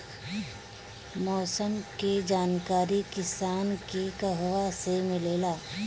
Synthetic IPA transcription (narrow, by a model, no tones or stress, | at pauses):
mɔːsəmked͡ʒaːnkaːɾikɪsaːnkekɐɦʋasemɪleːlaː